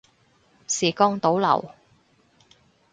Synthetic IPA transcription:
siː˨˩kɔː˥ŋt̪o˨˥wlɐ̰˨˩w

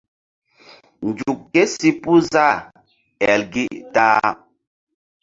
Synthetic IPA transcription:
n˨d͡ʒu˨kːɛ˦si˦pu˦za˦˨ | ɛ˨lɡi˦ʔtaː˦

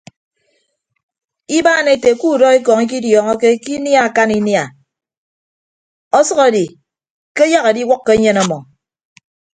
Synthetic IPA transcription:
i˦baː˦ne˨te˨ku˦˨dɔ˦i˦kɔ˨ŋi˦k̬i˦djɔ˨ŋɔ˦ke˦ki˦nja˦˨a˨ka˦ni˦nja˨ | ɔ˦sʌ˦ɣɔ˨di˨ | ke˦ja˦ɣe˨di˦wɔ˦kːe˦ɲe˦nɔ˦mɔ˨

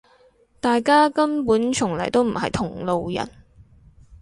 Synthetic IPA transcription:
t̪aː˨jkaː˥kɐ˥mpuː˨˥nt͡ʃʰʊ˨˩ŋlɐ˨˩jt̪o˥wm̩˨˩hɐ˨jt̪ʰʊ˨˩ŋlo˨wjɐ̰˨˩n

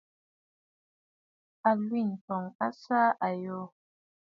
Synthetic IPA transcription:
a˨lwi˦˨n̩˨tɔ˨ŋa˦sa˦ʔa˨jo˦

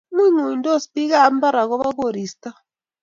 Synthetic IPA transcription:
mwi˦ŋu˨n˦dɔ˦˨spi˦ɣa˦˨˦m̩˦ba˦ɾa˨ɣɔ˦βa˦ko˦˨ɾi˨sta˦

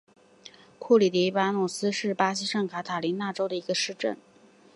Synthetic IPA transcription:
kʰu˥˩li˨˩t̪ɛ˧˥i˥˧pa˥nɔ˨˩sɹ̩˥ʂɻ̩˥˩pa˥ɕi˧˥ʂɤ˥˩ŋkʰa˧˥t̪ʰa˨˩li˧˥nna˥˩ʈ͡ʂo˥ʊd̪ə˨i˧˥ɡə˧ʂɻ̩˥˧ʈ͡ʂə̰˥˩n

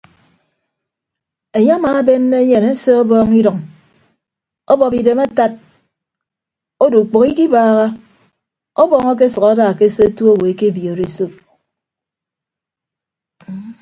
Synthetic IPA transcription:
e˨ɲa˦a˦maː˨˦be˦nːe˦ɲe˨ne˦se˦ɔ˦bɔː˦ŋi˦dɔ˨ŋ | ɔ˦bɔ˨pi˨de˨ma˦ta˦t̚ | o˦du˨k͡po˨ki˦ki˦baː˦ɣa˦ | ɔ˦bɔː˦˨ŋɔ˦k̬e˦sʌ˨ka˦da˦˨ke˦se˦tu˦o˦˨we˨e˨ke˦bi˨o˨ɾe˦so˦p̚

